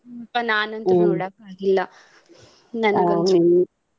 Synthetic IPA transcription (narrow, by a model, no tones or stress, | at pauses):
pːɐnaːnont̪ɐnoɽɐkːaːɡilːɐ | nɐnɐe